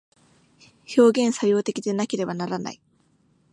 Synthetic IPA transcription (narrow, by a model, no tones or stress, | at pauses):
ço̞ːɡẽ̞ɰ̃sajo̞ːt̪e̞kʲid̪e̞nake̞ɾe̞banaɾana̰i